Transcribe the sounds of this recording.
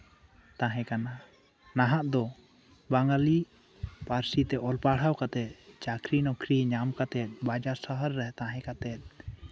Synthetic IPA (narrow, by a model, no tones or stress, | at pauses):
t̪aɦɛ̃kana | naɦaʔd̪ɔ | baŋɡali | paɾsit̪ɛʔɔlpaɽ̤awkat̪ɛt̪̚t͡ʃakʰɾinɔkʰɾiɲamkat̪ɛt̪̚ˀbad͡ʒasəɦəɾːɛɦt̪ãɦɛ̃kat̪ɛt̪̚ˀ